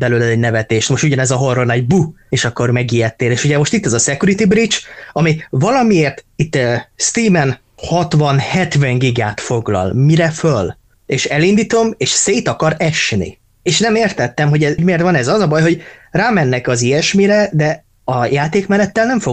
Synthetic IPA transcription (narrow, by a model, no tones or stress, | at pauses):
bɛløːlɛzɛɟnɛvɛt̪eːʃt̪moʃt̪uɟɒnɛzɒɦo̞rːonɛɟ̚bu | eːʃɒkːo̞rmɛɡijɛt̪ːeːleːʃuɟɛmo̞ʃt̪it̪ːɛzɒsɛkjuɾit̪ibrit͡ʃɒmivɒlɒmieːrt̪it̪ːst̪iːmɛn | hɒt̪ʋɒnhɛt̪vɛŋɡiɡaːt̪fo̞ɡlɒ̰lmiɾɛføl | eːʃɛlind̪it̪o̞meːʃseːt̪ɒkɒɾɛʃnḭ | eːʃnɛmeːrt̪ɛt̪ːɛmɦo̞ɟɛɟmeːrt̪ʋɒnɛzɒzɒbɒjɦo̞ɟraːmɛnːɛkɒziɛʃmiɾɛd̪ɛ | ɒjaːt̪eːkmɛnɛt̪ːɛlnɛɱfo